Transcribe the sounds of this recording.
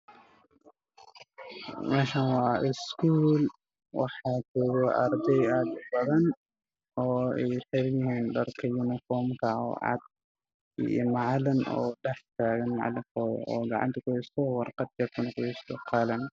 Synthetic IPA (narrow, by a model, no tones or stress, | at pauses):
mɛʃɐnwɑːɪskʰuːl | wɑħɑːt͡ʃɔːɣɔʔɐrd̪ɛjad̪ʊbɐðɐn | ɔːɛjħɪɾjɪhiːnɖɐrkʰɐjʊnɪfɔːmkʰɐɔ̰ːʕɑ̰d̪̰̚ | mɑʕlɐnɔ̰ːɖɛħt̪ʰaːɣɐnmɑ̰ʕ̰lɪfɔːjɔ̰ɔːɡɑʕɑ̰nt̪ʰɐkʊɛsɔwɑrqɑd̪̚d͡ʒɐkʊnɐkʊɛɪsɔqʰɑlɐn